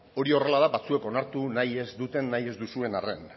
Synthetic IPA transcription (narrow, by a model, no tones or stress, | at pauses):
o̞ɾio̞re̞laðaβat͡sue̞ko̞naɾt̪unaje̞zd̪ut̪e̞nːaje̞zd̪usue̞nare̞n